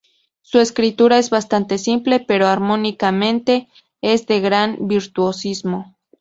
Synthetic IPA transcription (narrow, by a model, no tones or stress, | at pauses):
sue̞skɾit̪uɾae̞zβast̪ant̪e̞simple̞pe̞ɾoaɾmo̞nikamẽ̞nt̪e̞ | ezðe̞ɣɾanbiɾt̪uosizmo̞